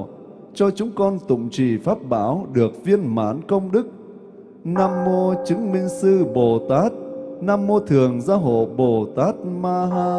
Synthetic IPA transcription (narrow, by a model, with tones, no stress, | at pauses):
t͡ɕɔ˧t͡ɕʊ˨˦ŋ͡mkɔ˧nt̪ʊ̰˧˨ŋ͡mt͡ɕi˨˩faː˦˥t̚ɓa̰ː˧˦wɗɨ˨˩ək̚vi˧ənma̰ː˧˩˦nkə˧wŋ͡mɗɨ˦˥k̚ | naː˧mːo˧t͡ɕɨ˨˦ŋmï˧ŋ̟sɨ˧ɓo˨˩t̪aː˦˥t̚naː˧mːo˧t̪ʰɨ˨˩əŋzaː˧ɦo̰˧˨ɓo˨˩t̪aː˦˥t̚maː˧ɦaː˧